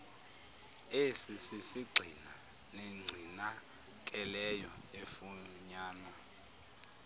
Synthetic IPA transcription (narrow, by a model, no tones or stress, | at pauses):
esisisiɡ͡ǀʱina | neŋ͡ǀʱina | k̬ʼɛlɛjɔ | efuɲaːna